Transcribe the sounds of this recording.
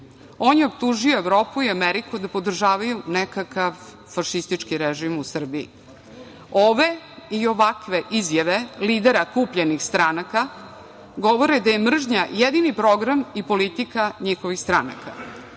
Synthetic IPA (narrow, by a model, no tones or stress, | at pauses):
o̞ːnjeopt̪uʒioeʋɾo̞ːpuiameɾikud̪apo̞d̪r̩ʒaːʋajunekakaʋ | faʃist̪it͡ʂkiɾeʒimusr̩biḭ | oʋe̞ | io̞ʋakʋe̞ʔizjaʋe̞liːd̪eɾakuːpʎenixst̪ɾanaka | ɡo̞ʋo̞ɾed̪aje̞mr̩ʒɲajed̪inipɾo̞ɡɾamipo̞lit̪ikaɲixoʋixst̪ɾana̰ka